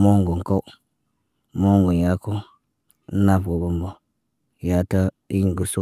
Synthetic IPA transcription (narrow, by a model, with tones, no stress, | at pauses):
mo˦ŋɡu˨ŋ˨ko˦w | mo˦ŋɡu˨n˨ja˦ko˦ | n̩˦na˦˨pɡo˨bu˦mbo˨ | ja˨tə˦ | i˦ŋ˨ɡu˨su˦